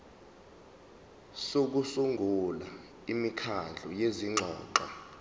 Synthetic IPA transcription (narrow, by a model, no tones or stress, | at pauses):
sok̬usuŋɡʱula̰ | imikʰand͡ɮʱɔjeziŋ͡ǁʱɔːǃa